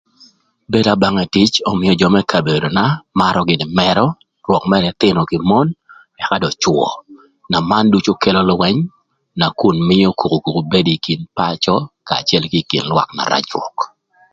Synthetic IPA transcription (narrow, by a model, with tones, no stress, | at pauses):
be˦da˨ba˦ŋa˨ti˦t͡ʃɔ˦mɪjɔ˨d͡ʒɔ˦mɛ˦kʰa˨be˨do˨na˦ma˦ɾɔ˦ɡɪ˨dɪ˨mɛɾɔ˦ | rwɔ˨kmɛ˦ɾɛ˨t̪ɪ˦nɔ˨kɪ˨mɔ˦n | ɛ˨ka˦dɔ˨t͡ʃwɔ̰˨ | na˨ma˦ndu˦t͡ʃo˦ke˦lɔ˦lwɛ˦ɲ | na˨ku˨nmɪ˦jɔ˦ku˨ku˨ku˨ku˨be˦diki˨npa˦t͡ʃɔ˦ka̰ː˨t͡ʃɛ˦lki˦kḭ˨nlwa̰˨kna̰˨ɾa̰˦t͡ʃwɔ̰˨k